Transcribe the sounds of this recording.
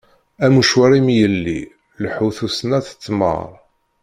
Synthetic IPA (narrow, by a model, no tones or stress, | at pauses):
æmuʃwaɾimjəlːḭ | lħuθusnæθə̥t͡sːmə̰ɾˤ